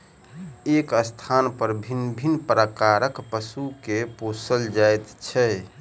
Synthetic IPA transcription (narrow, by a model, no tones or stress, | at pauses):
ekəst̪ʰanpəɾbʱinːbʱinːpɾəkaɾəkpəsukeposəld͡ʒaet̪t͡ʃʰɛ